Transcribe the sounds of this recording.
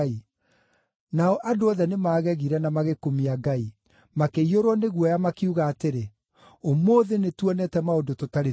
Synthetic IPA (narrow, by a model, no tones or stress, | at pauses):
i | naɔʔadoɔðɛnemaːɣɛɣiɾɛnamaɣekomiaɡai | makeioɾwɔneɣwɔjamakeuɣaːteɾe | omoːðenetwɔnɛtɛmaodototaɾe